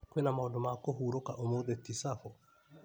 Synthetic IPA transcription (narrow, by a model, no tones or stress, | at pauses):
kwɛnamaɔndɔmakoɦuɾokaʔomoðet̪isafɔ